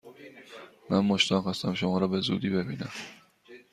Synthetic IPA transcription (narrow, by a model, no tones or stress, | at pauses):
mænmoʃt̪ʰɒːnxɒst̪æmʃomɒːɾɒːbe̞zṵd̪iːbe̞biːnæm